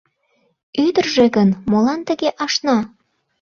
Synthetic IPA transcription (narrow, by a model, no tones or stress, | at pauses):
yd̪ərʒĕɣənmolɑnt̪ə̆ɣeʔɑʃnɑ